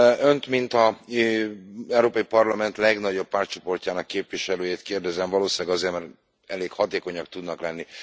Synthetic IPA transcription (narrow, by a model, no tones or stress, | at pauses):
ønt̪mint̪ɒ | ɛwɾoːpɒjipɒrlɒmɛnt̪lɛɡnɒɟo̞ppaːrt͡ʃo̞po̞rcaːnɒkːeːpʋiʃɛløːjeːt̪keːrd̪ɛzɛɱvɒloːʃaːɡɒzeːrmɛr | ɛleːkhɒt̪eːko̞ɲɒk̚t̪ud̪nɒklɛnːi